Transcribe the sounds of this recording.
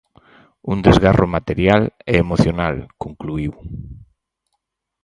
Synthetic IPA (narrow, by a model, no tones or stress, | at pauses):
und̪ezɣarʔomat̪eɾjalɛːmoθjonalkoŋkluiw